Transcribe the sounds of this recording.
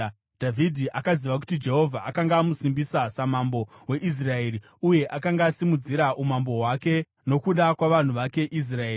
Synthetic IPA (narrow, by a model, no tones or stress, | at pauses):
dʱavʱidʱiʔakaziʋak̬u̥tid͡ʒe̞ɦo̞vʱaːkaŋɡaːmusimbisasamambo̞we̞ʔis̬rae̞ːɾi | uje̞ʔakaŋɡaːsimud͡ziɾaʔumambo̞ɦwake̞ | no̞kuɗakwaʋan̤uʋake̞ʔis̬raei